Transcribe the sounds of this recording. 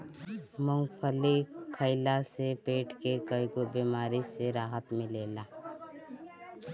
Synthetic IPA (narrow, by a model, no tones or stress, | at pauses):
məŋɡpʰəlikʰəɪlasepeːʈʰkekəikobiːmaːɾiseɾaːɦət̪mɪ̃leːlaː